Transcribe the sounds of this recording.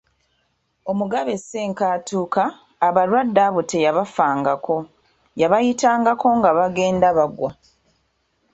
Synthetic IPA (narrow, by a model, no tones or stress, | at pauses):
o̞muɡaβe̞se̞ːŋkaːtuːkaː | βaɾwadːaβute̞jaβafaːŋɡako̞ | jaβajitaːŋɡako̞ŋɡaβaɡe̞ːndaβaɡwa